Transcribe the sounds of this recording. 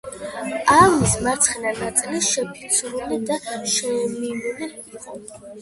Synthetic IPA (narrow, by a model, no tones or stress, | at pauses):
amismaɾt̪sʰχɛnanat̪sʼiliʃɛpʰit̪sʰɾunɛd̪aʃɛmimɛnɛ